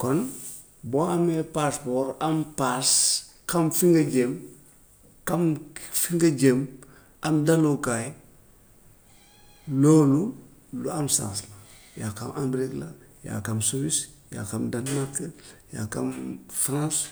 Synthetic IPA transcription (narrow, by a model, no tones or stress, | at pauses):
kon | boamepaspoɾampas | kamfiŋɡad͡ʒem | kamfiŋɡad͡ʒem | amdalokaj | loːlu | luamsã̰nsla | jaka̰mʔambɾikla | ja̰kamsuwisja̰kamdanmaɾkja̰ka̰mfɾãs